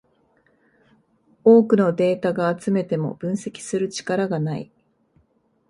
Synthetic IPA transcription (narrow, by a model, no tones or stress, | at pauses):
o̞ːkɯ̟no̞d̪e̞ːt̪aɡaːt͡sɨme̞t̪e̞mo̞̰b̥ɯ̟̃ɰ̃se̞kʲi̥sɨɾɯ̟t͡ɕi̥kaɾaɡanaḭ